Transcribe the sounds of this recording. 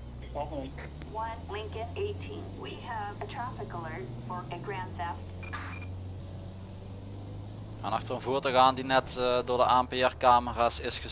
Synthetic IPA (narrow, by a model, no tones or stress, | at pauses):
wʌ̃nlɪ̃ŋkɨɾeɪtʰḭ̃nwiəvɨtʰɹ̥ɑfəkəlˠə˞d | fə˞ɨɡɹæ̃ndɛft | anɑxtərənvuːɹtəɣaːndinɛtdʊːɹdəʔaɛmpeɛrkaːməraːsɪsxə